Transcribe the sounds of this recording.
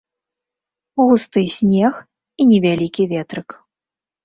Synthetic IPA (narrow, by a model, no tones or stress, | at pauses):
ɣust̪ɨsʲnʲɛx | inʲɛvʲalʲikʲivʲɛt̪ɾɨk